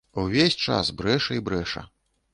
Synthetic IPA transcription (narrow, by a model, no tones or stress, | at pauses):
uvʲesʲt͡ʂa̰sbɾɛʂɐibɾɛʂɐ̰